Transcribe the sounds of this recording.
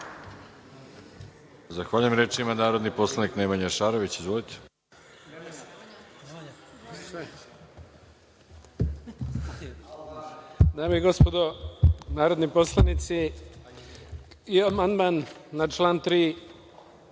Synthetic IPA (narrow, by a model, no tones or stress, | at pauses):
zaxʋaːʎujemɾeːt͡ʃimanaːɾo̞d̪niposlˠaniknemaɲaʃaːɾoʋit͡ɕizʋolit̪ʰe̥ | se | d̪aːmejiɡo̞spod̪onaːɾod̪niposlˠanit̪si | iamand̪manːat͡ʃlaːnt̪ɾiː